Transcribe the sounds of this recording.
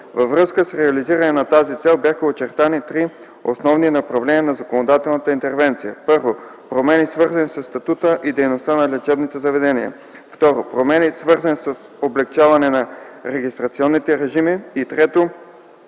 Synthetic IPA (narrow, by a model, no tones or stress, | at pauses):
vɐvɾɤskəsɾɛɐliziɾɐnɛnɐt̪azit̪sɛlˠbjaxəot͡ʃɛɾt̪anit̪ɾi | osnɔvninɐpɾɐvlɛnʲiənɐzɐkonod̪at̪ɛlˠnət̪əint̪ɛɾvɛnt̪sijəpɤɾvo | pɾomɛnisvɤɾzɐnisəsːt̪ɐt̪ut̪əʔid̪ɛjnost̪anɐlʲɛt͡ʃɛbnit̪ɛzɐvɛd̪ɛniə̰ | ft̪ɔɾopɾomɛnisvɤɾzənisəs | oblɛkt͡ʃavɐnɛnɐɾɛɡist̪ɾɐt̪siɔnːit̪ɛɾɛʒimiːt̪ɾɛt̪o